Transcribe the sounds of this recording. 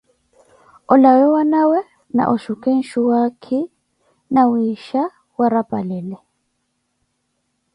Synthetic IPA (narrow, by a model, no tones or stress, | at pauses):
ɔlawɛwanawɛ | na̰ʔɔʃukɛn̩ʃuwakʰɛ | namwiʃa | waɾapʼa̰lɛlɛ